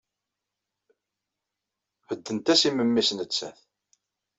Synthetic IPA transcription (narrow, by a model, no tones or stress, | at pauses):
həd̪ːənt̪æsiməmːisnət͡sːæ̰θ